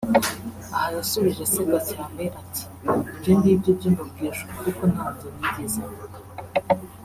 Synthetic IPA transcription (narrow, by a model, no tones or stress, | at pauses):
ahajasuβiʒeseɡacaːmbeʔatʰi̥ɡindiːbɟobɟinobɡiːʃokukonhaːvzeniɟiza